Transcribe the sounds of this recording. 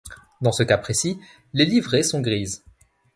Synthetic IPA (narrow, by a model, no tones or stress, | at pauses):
d̪ɑ̃səkapχesi | lelivʁesɔ̃ɡʁiːz